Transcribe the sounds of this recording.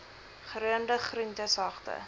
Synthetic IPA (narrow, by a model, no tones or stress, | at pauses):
χəɾuəndəχrintəsɑχtə̰